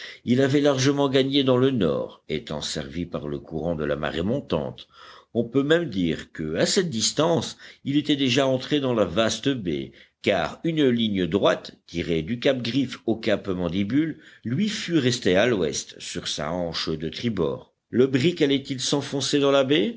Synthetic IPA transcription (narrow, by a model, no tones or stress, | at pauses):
ilavɛlaʁʒəmɑ̃ɡaɲed̪ɑ̃lənɔ̰ːʁḛt̪ɑ̰̃sɛ̰ʁvipaʁlə̰kuʁɑ̃d̪əla̰ma̰ʁemɔ̃t̪ɑ̰̃t̪ɔ̃pømɛmd̪iːʁkəasɛt̪̚d̪ist̪ɑ̃silet̪ɛd̪eʒaɑ̃t̪χed̪ɑ̃lavast̪əbḛka̰ːʁynliɲjəd̪ʁwat̪ːiʁed̪ykap̚ɡʁifokapmɑ̃d̪ibylːɥifyʁɛst̪ealwɛ̰st̪syʁsa̰ɑ̃ʃd̪ət̪χibɔ̰ːʁ | ləbʁikalɛt̪ilsɑ̃fɔ̃sed̪ɑ̃labe